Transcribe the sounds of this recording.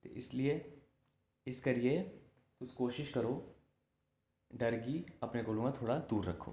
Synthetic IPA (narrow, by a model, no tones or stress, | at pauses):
t̪ḛʔɪslie | ɪskɐɾie | t̪ʊskoːʃɪʃkɐɾoː | ɖɐɾɡiɐpneɡoːlõɡat̪ʰoːɽad̪uːɾɾɐkʰːo̰ː